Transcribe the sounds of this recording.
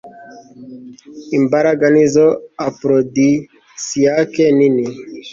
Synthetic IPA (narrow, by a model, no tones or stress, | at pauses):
imbaɾaɡanizoapɾod̪i | siakenini